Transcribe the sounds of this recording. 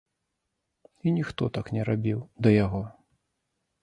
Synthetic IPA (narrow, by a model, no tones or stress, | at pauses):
inʲixt̪ɔt̪aknʲɛɾabʲiwd̪ɐjaɣɔ